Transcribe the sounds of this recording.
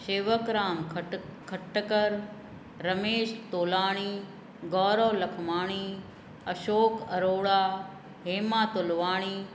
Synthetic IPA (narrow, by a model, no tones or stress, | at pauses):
ʃeːʋəkɾaːmkʰɐʈːəkəɾː | ɐmeːʃt̪oːlaːɽ̃iː | ɡɔːɾɔːlɐkʰmaːɽ̃iː | ɐʃoːkɐɾoːɽaː | ɦeːmaːt̪olʋaːɽ̃iː